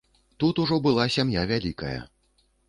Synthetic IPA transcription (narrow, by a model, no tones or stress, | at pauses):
t̪ut̪uʐɔbɨlˠasʲamjavʲalʲikɐjɐ̰